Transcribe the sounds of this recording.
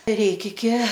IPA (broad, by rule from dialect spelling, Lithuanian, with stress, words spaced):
ɪr ˈrʲɛɪk ɪkʲɪ